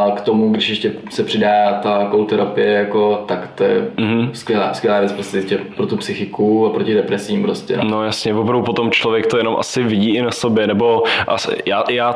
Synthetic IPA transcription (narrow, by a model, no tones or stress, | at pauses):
akt̪omuɡdɪʃjɛʃcɛ | sɛpr̝̥ɪdaːat̪akowlt̪ɛɾapɪjɛjako̞t̪akt̪ojɛ̰m̩ɦm̩skʲjɛla̰ːskʋʲjɛlaːvjɛt͡spɾostʲɛɛscɛpɾot̪upsɪxɪkuapɾocɪdɛpɾɛsiːmpɾoscɛ̰nnojasɲɛvopɾavdupo̞t̪o̞mt͡ʃlovjɛk̚t̪ojɛno̞mʔa̰sɪvɪɟiːʔɪnasobjɛnɛbo̞ʔasjaːjaː